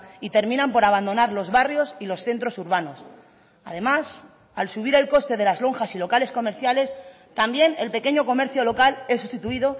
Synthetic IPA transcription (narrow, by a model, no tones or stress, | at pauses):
it̪e̞ɾmĩnãmpo̞ɾaβ̞and̪o̞naɾlo̞zβarjo̞silo̞sθe̞nt̪ɾo̞suɾβ̞ano̞s | a̰ðe̞mas | alsuβ̞iɾe̞lko̞st̪e̞ð̞e̞lazlo̞ŋxasilo̞kale̞sko̞me̞ɾθjale̞s | t̪ambje̞nelpe̞ke̞ɲo̞ko̞me̞ɾθjo̞lo̞kale̞s̬ust̪it̪uiðo̞